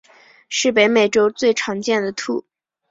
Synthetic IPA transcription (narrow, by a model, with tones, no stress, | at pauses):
ʂɻ̩˥˩pe˧˥ɪme˨˩ɪʈ͡ʂo˥ʊt͡swe˥˩ɪʈ͡ʂʰɑ˧˥ŋt͡ɕjɛ˥˩nd̪ə˩t̪ʰu˥˩